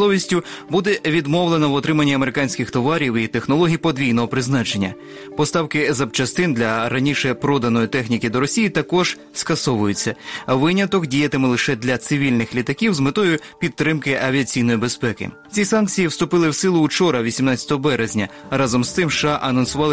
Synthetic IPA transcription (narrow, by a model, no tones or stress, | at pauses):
lˠɔʋʲisʲtʲʊbud̪ɛʋʲid̪mɔwlˠenɐwɔt̪ɾɪmɐnʲːiɐmeɾɪkɑnʲsʲkɪxt̪ɔʋɑɾʲiwit̪e̞xnɔlˠɔɦʲijpɔd̪ʋʲijnɔɦɔpɾɪznɑt͡ʃe̞nʲːɐ̰ | pɔst̪ɑwkɪzɐbt͡ʃɐst̪ɪnd̪lʲɐɾɐnʲiʃɛpɾɔd̪ɐnɔjit̪ɛxnʲikɪd̪ɔɾɔsʲijit̪ɐkɔʒ̥ | skɐsɔʋʊjʊt͡sʲːɐʋɪnʲɐt̪ɔkdʲijɐt̪ɪmɪlˠɪʃɛd̪lʲɐt̪sɪʋʲilʲnɪxlʲit̪ɐkʲiwzmet̪ɔjʊpʲit̪ːɾɪmkɪʔɐʋʲiɐt͡sʲijnɔjibespɛkɪ̰ | t͡sʲisɑnk̚t͡sʲijiwst̪ʊpɪlˠɪwsɪlˠʊːt͡ʃɔɾɐʋʲisʲimnɑt͡sʲɐ̥t̪ɔɦɔbɛɾezʲnʲɐɾɑzɔmst̪ɪmʃɑʔɐnɔnsʊʋɑlˠɪ